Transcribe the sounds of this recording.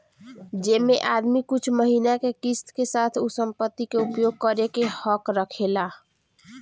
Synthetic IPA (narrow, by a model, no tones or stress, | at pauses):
d͡ʒemeʔad̪mikut͡ʃʰməɦinakekist̪kesat̪ʰusəmpət̪ːikeupjoɡ̚kəɾekehəkɾəkʰela